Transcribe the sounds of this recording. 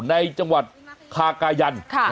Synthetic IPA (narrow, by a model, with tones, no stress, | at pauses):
na˧jt͡ɕa˧ŋwa˨˩t̪̚kʰaː˧kaː˧ja˧nkʰ